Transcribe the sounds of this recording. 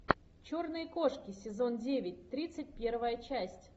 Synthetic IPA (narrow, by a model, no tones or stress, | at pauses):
t͡ɕornɨjəko̞ʂkʲɪsʲɪzo̞ndʲevʲɪtʲt̪ɾʲit̪sɨt̚ʲpʲe̞rvəjət͡ɕæsʲtʲ